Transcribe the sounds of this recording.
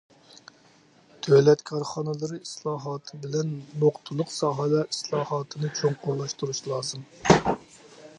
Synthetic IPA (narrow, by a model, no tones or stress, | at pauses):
t̪ʰølɛt̪kʰɑɾχɑnɨlˠɨɾɨislˠɑːɦɑt̪ʰɨbɪlɛnmoqt̪ʰulˠʊqsɑɦɑlˠɑislˠɑːhɑːt̪ʰɨnɨt͡ʃʰoŋqʰolˠɑʃt̪uɾuʃlˠɑːzɨm